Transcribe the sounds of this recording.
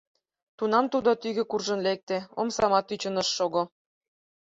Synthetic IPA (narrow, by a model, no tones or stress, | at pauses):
t̪unɑmt̪ud̪ot̪yɣĕkurʒɤ̆nlek̚t̪ĕomsɑmɑt̪yt͡ɕə̆nəʃːoɣo